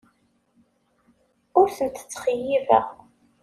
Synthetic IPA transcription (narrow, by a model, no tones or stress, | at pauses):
ʊɾθənt̪ə̥t͡sːχəjivæ̰ʁ